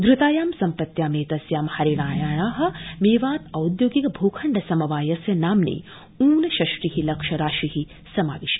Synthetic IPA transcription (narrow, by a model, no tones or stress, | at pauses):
d̪ɾɪt̪aːjaːmsɐmpɐt̪jaːmeːt̪ɐsjaːmhɐɾiɽaːjaːɳaːɦɐ̆meːʋaːt̪ɐwd̪joːɡikɐbʱoːkʰɐɳɖɐsɐmɐʋaːjɐsjɐnaːmnḛː | uːnɐʃɐʃʈiɦilɐkʃɐɾaːʃiɦi | sɐma̰ːʋiʃ